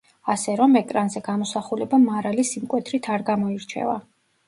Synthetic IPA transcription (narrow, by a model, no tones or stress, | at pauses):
asɛɾɔmɛk̪ʼɾanzɛɡamɔsaχulɛbamaɾalisimkʼwɛt̪ʰɾit̪ʰaɾɡamɔiɾt͡ʃʰɛ̰va̰